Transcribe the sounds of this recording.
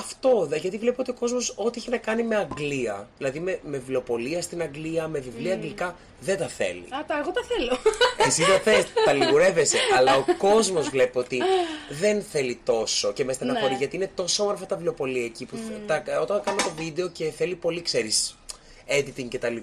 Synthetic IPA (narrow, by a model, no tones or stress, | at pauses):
ɐft̪o̞ðʝɐt̪ivle̞peo̞t̪io̞ko̞zmo̞so̞t̪ieçinɐkɐnime̞ɐŋɡliɐðilɐðimemevlo̞po̞liɐst̪inɐŋɡliɐme̞vivliɐːŋɡlikɐ | ðent̪ɐθḛlḭɐt̪ɐeɣot̪ɐθeloesizt̪ɐθest̪ɐliɣuɾe̞ve̞seʔɐlɐoko̞zmo̞zvle̞peo̞t̪iðe̞nθe̞lit̪o̞so̞cemest̪enɐkoɾizʝɐt̪iine̞t̪o̞soomoɾfɐt̪ɐvlo̞po̞liɐeciput̪ɐo̞t̪ɐŋkɐnot̪o̞vid̪e̞o̞ce̞θe̞lipo̞likse̞ɾis | ed̪it̪iŋcet̪ɐli